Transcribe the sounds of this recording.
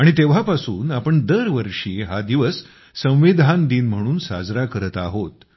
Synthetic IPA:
aɽ̃it̪eʋ̤apasuːnapəɳd̪əɾʋəɾʂiːɦad̪iʋəsː | ə̃w̃ʋid̪ʱand̪iːnm̤əɽ̃uːnsa̰d͡zɾakəɾət̪aɦot̪

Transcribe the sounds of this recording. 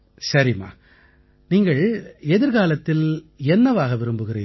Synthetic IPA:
sɐɾima̰ː | niːŋɡɐɭɛðɪɾɣaːlɐt̪ːɪlɛnːɐʋaːɣɐʋɪɾɯmbɯɣɪrḛː

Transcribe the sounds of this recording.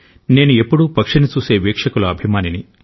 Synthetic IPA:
ne̞ːnuepːuɽupɐkʂɐnit͡ʃuːse̞ːʋeːkʂɐkulɐɐbʱimaːnini

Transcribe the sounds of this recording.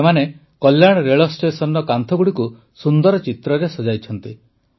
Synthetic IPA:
mane | kɔljaɽ̃ɔɾeɭɔsʈesɔnɾɔkant̪ʰɔɡuɽiku | sund̪ɔɾɔt͡ʃit̪ɾɔɾesɔd͡ʒajt͡ʃʰɔnt̪i

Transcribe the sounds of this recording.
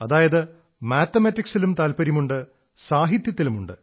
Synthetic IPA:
ɐðaːjɐðɨ | maːt̪ːɐmɐtːiksilumt̪aːlpɐɾjɐmuɳɖɨ | saːɦit̪jɐt̪ːilumuɳɖɨ

